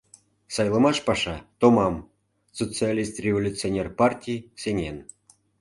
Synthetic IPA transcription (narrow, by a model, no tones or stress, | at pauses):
sɑjlˠɤ̆mɑʃpɑʃɑt̪omɑm | sot͡sɨalʲist̪rʲevolʲut͡sɨonʲerpɑrtʲijsʲenʲen